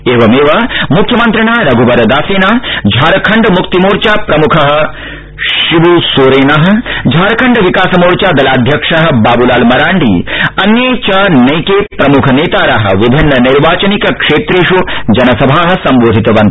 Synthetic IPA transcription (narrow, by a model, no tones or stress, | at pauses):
eːʋɐmeːʋɐmukʰjɐmɐnt̪ɾɐɳaːɾɐɡʱubɐɾɐd̪aːseːnaːd͡ʒʱaːɾɐkʰɐɳɖɐmukt̪imoːɾt͡ʃaːpɾɐmukʰɐɦɐ̆ | ʃibusoːɾeːnɐɦɐ̆d͡ʒʱaːɾɐkʰɐɳɖɐʋikaːsɐmoːɾt͡ʃaːd̪ɐlaːd̪ʱjɐkʂɐɦɐ̆baːbulaːlmɐɾaːɳɖʱḭɐnjeːt͡ʃaːnɐjkeːpɾɐmukʰɐneːt̪aːɾɐɦɐ̰̆ʋibʱinːɐniɾʋaːt͡ʃɐnikɐkʂeːt̪ɾiːʂud͡ʒɐnɐsɐbʱaːɦɐ̆sɐmʋoːd̪ʱit̪ɐʋɐnt̪ɐ